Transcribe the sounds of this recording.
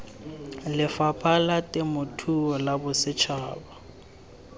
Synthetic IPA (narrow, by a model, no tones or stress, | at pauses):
lɪfapʰalatʼɪmʊtʰuɔlabʊsɪt͡ʃʰaːba